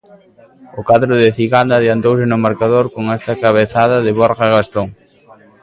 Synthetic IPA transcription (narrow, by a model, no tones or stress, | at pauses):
ʊkaðɾʊðɪθiɣand̪aðjant̪owsɪnʊmaɾkaðoɾkoŋɛst̪ɐkaβeθaðɐðɪβoɾɣaɣast̪oŋ